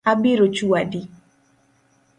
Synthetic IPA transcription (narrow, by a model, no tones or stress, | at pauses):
abiɾot͡ʃuadi